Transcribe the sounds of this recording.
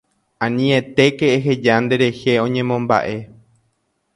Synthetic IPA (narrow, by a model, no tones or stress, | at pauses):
ãnĩe̞t̪e̞keeɦed͡ʒand̪e̞ɾe̞he̞õ̞ɲẽ̞mõ̞mba̰ʔe̞